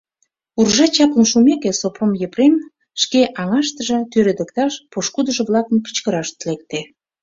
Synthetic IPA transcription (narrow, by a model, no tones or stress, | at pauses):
urʒɑt͡ɕɑpə̆nʃumekesopromjəprem | ʃkeʔɑŋɑʃt̪əʒə̆t̪øɾed̪ə̆kt̪ɑʃpoʃkud̪əʒə̆βlɑkənkə̥t͡ɕkəɾɑʃt̪əlek̚t̪e